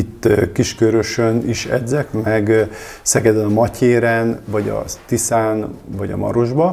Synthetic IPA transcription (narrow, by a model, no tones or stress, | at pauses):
it̪ːkiʃkøɾøʃøniʃɛ̰d̪zɛkmɛɡ | sɛkɛd̪ønɒmɒcʰeːɾɛnvɒɟɒ̰t̪isaːnvɒɟɒ̰mɒ̰ɾo̞ʒbɒ